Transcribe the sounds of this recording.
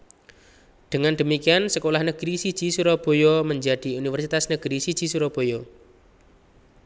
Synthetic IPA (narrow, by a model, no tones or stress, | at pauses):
d̪̥əŋand̪ə̤mikiansəkolahnəɡ̥ɾisi̥d͡ʒ̥i̤suɾob̥o̤jɔməɲd͡ʒad̪̥i̤unifərsit̪asnəɡ̥ɾisi̥d͡ʒ̥i̤suɾob̥o̤jɔ